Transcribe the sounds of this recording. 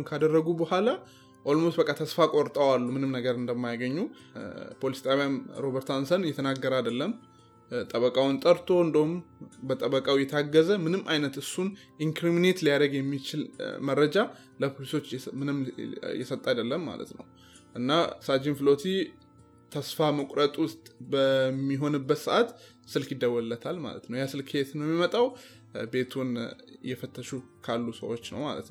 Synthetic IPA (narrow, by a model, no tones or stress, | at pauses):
nkʰad̪ərːəɡubəhʷala | ʔo̞lmosbəkʼːat̪ʰəsfakʼoɾt̪ʼəwalːumɨnɨmnəɡəɾɨnd̪əmːajaɡəɲːu | pʰo̞lisi̥t̪ʼaβjamɾo̞βəɾt̪hansənjɛt̪ʰənaɡːəɾad̪əlːəm | t̪ʼəβəkʼawʊnt̪ʼəɾt̪ʰo̞ɨnd̪əhumbət̪ʼəβəkʼawjɛt̪ʰaɡːəzəmɨnɨmːʔajnət̪ɨsːun | ʔiŋkɾimine̞t̪lijad̪əɡjɛmːit͡ʃɪlmərːəd͡ʒa | ləpʰoliso̞t͡ʃːmɨnɨmjɛ̰sət̪ʼːajd̪əlːəmːa̰lə̰t̪nə̰w | ʔɨnːasad͡ʒinfɨlo̞t̪ʰi | t̪ʰəsfaməkʼɾət̪ʼwʊst̪ʼbəmːiɦo̞nɨbːət̪sɨʔat̪ | sɨlkjid̪ːəwɔɨlːət̪ʰalma̰lə̰t̪nəwjasɨlkʰhet̪ʰɨnjɛmːimət̪ʼaw | be̞t̪ʰunjɛfət̪ʰːəʃu | kʰalːusə̰wo̞t͡ʃːnə̰wma̰lə̰t̪n